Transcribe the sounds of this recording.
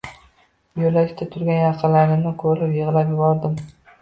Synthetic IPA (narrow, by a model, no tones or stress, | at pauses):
jolaʃt̪ʰat̪ʰʊɾɡʲanjɑqʰɨlaɾɪnɪkʰolɪpjɨʁlˠapjɪbɒɾd̪ɪm